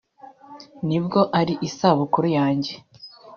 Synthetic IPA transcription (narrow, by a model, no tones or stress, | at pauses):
nibɡo̞ʔaɾiʔisaβukuɾujaːɲɟe̞